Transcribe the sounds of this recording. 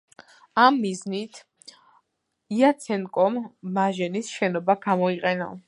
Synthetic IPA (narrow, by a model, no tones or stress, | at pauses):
amːiznit̪ʰ | iat̪sʰɛnkʼɔmːaʒɛnisʃɛnɔbaɡ̥amɔiqʼɛna̰